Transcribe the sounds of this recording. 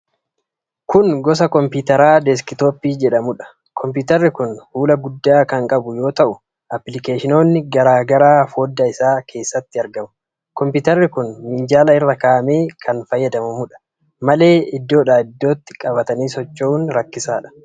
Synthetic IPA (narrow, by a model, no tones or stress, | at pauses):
kʊnɡɔs̬ɐkɔmpɪːt̪ɛɾaːd̪ɛs̬kɪt̪oːpːiːd͡ʒɛᶑɐmʊᶑɐ̥ | kʰɔmpiːt̪ɐɾːɪkʊnhuːlɐɡʊd̪ːaːkɐŋkʼɐbʊjo̞ːt̪ɐʔʊ | ʔɐplɪkeːʃɪno̞ːnːɪɡɐɾaːɡɐɾaːfo̞ːd̪ːɐɪsaːkʰe̞ːsːɐt̪ːɪɐɾɡɐmʊ̥ | kɔmpɪːt̪ɐrːɪkʊnmɪnd͡ʒaːlɐɪrːɐkaːʔɐme̞ːkʰɐnfɐjːɐd̪ɐmɐmʊᶑɐ̥ | mɐle̞ːɪd̪ːo̞ːᶑaːɪd̪ːo̞ːt̪ːɪ̥kʼɐbɐt̪ɐniːsɔt͡ʃːouːnɾɐkːɪsaːᶑɐ̥